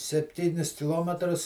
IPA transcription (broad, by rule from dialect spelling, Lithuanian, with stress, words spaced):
sʲɛpʲˈtʲiːnʲɪs kʲɪˈlˠoːmʲɛtrʊs